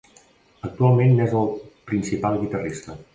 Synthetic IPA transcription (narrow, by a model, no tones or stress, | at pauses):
ək̚t̪ualˠmenːɛzəlˠpɾinsipalˠɣit̪ərist̪ə